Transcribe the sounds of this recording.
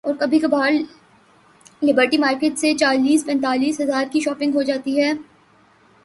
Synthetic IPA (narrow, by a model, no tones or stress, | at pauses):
ɔːɾkɐbʱikɐbaːɾ | lɪbəɾʈimaːɾkeːʈset͡ʃaːliːspɛ̃nt̪aːliːsɦɐzaːɾkiʃɔːpɪ̃ŋɡɦod͡ʒaːt̪iɦɛː